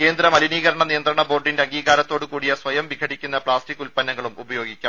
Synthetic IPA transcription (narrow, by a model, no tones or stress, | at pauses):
ke̞ːnd̪ɾɐmɐliniːɣɐɾɐɳɐnijɐnt̪ɾɐɳɐbo̞ːrɖindeɐŋɡiːɣaːɾɐt̪ːo̞ːɽukuːɽijɐsʋɐjɐmʋiɡʰʱɐɽikʲːun̪ːɐpɭaːstikːulpɐnːɐŋːɐɭumubɐjo̞ːɡikʲːaːm